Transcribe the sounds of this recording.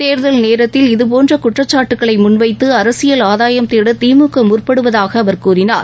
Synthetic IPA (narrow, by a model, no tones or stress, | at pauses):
t̪eːɾðɐlneːɾɐt̪ːɪlɪðɯp̬oːndrɐkʊʈrɐt͡ʃːaːʈːɯkːɐɭɐɪmʊnʋɐɪt̪ːɯɐɾɐsɪjɐlaːðaːjɐmt̪eːɽɐt̪iːmɯkːɐmʊrpɐɽɯʋɐðaːɣɐːʋɐɾkuːrɪnaːɾ